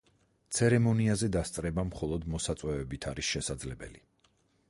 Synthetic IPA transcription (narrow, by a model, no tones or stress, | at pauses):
t̪sʰɛɾɛmɔniazɛd̪ast̪sʼɾɛbamχɔlˠɔd̪mɔsat̪sʼwɛvɛbit̪ʰaɾisʃɛsad̪zlɛbɛ̰li